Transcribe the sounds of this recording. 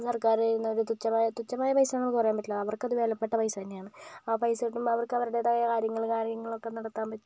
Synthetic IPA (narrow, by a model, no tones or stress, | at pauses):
sɐrkaːɾajunːɐoɾut̪ut͡ɕːɐmaːjɐt̪ut͡ɕːɐmaːjɐpɐjsɐnemːɨkɨpɐrɐjaːmpɐʈːilɐɐʋɐrkɐðuʋe̞ːlɐpːeʈːɐpɐjsɐt̪ɐnːejaːɳɨaːpɐjsɐiʈːumɐʋɐrkɨɐʋɐɾuɽe̞t̪ɐɣɐjɐkaːɾjɐŋːɐɭkaːɾjɐŋːɐɭo̞kːe̞nɐɽɐt̪ːaːmpɐtː